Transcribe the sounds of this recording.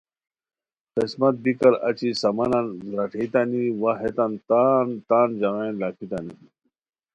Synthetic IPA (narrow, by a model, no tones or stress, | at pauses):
qismɐt̪̚bikɐɾɐ̰t͡ɕisɐmɐnanɾɐʈʰet̪aniwaɦet̪ant̪aːnt̪aːnd͡ʑɐʁenlakʰit̪ani